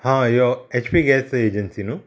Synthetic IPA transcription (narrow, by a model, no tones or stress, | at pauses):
hãjoet͡ʃʰpiɡɛːseːd͡ʒɐnsinu